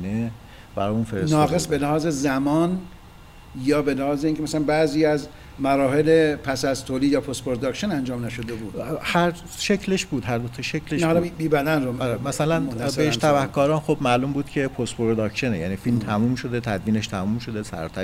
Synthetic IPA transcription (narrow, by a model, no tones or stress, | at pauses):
ne | b̥æɾɒːjuːnfeɾesnɒːɡe̞sbenæhɒːzezæmɒːn | jɒːbelæhɒːzeiːŋcʰemæsælænbæziːæz | mæɾɒːɦelepʰæsæzt̪ʰoːlid̪jɒːpʰost̪pʰoɾod̪ɒːkʃenænd͡ʒɒːmnæʃod̪ebuːd̪hæɾ | ʃecʰleʃb̥uːd̪ɦæɾd̪ot̪ʰɒʃecʰlehlbiːbæd̪ænɾoɒɾemæsælænæbeeʃt̪ʰæbæhkʰɒːɾɒːnxobmæːluːmbuːd̪cʲʰe̞pʰost̪pʰoɾod̪ɒːkʃenejæ̰ːniːfilmt̪ʰæmuːmʃod̪et̪ʰæd̪miːneʃt̪ʰæmumʃo̞d̪e̞sæ̰ɾ̰t̪ʰæ